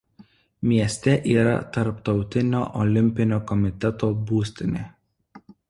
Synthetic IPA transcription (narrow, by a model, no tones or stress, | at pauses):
mʲiɛsʲt̪ʲɛʔiːɾɐ̰t̪ɐɾpt̪ɒʊt̪ʲɪnʲoːʔɔlʲɪmʲpʲɪnʲoːkɔmʲɪt̪ʲɛt̪oːbuːsʲt̪ʲɪnʲeː